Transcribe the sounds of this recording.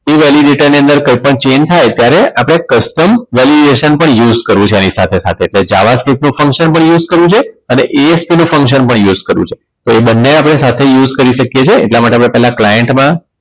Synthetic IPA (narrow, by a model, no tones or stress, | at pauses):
eʋɛliɖeʈəɾniənd̪əɾkəjpəɳt͡ʃent̪ʰajt̪jaɾeʔapɽ̃ekəsʈəmʋɛliɖeʃənpəɳjuzkəɾʋũt͡ʃʰeanisat̪ʰesa̰t̪ʰeːʈled͡ʒaʋasʈipnũfəŋkʃənpəɳjuzkəɾʋũt͡ʃʰeəneʔeespinũfə̃ŋkʃənpəɳjuzkəɾʋṵ̃t͡ʃʰe | t̪oebənːeapɽ̃esat̪ʰejuzkəɾiʃəkjet͡ʃʰḛːʈlamaʈeapɽepɛɦlaklajeɳʈmã